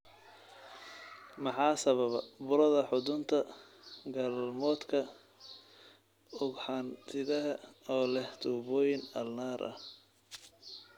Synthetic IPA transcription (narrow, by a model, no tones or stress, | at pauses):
mɑħɑːsɐβɐβɐbʊɾɐðɐħʊðʊnt̪ʰɐ | ɡalmɔːd̪kʰɐ | ʊɡħɑnt̪ʰɪðɐɦɐɔːlɛht̪ʊbɔːjɪnɐ̰lnaːɾʔɐ̰h